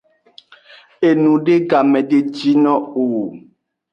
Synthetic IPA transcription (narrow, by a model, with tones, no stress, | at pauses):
e˨nũ˨ɖe˦ɡa˨mɛ̃˨ɖe˦d͡ʒi˦nɔ̃˦o˨